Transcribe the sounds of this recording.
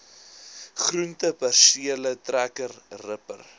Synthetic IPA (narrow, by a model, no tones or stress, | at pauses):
χruntəpærsiələtrækərrəpə̰r